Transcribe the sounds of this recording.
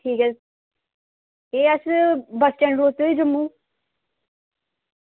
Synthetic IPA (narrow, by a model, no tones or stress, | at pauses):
ʈʰiːkɛ | eːəsbəsʈɛ̃ɳɾoːt̪oːiːd͡ʒəmːũː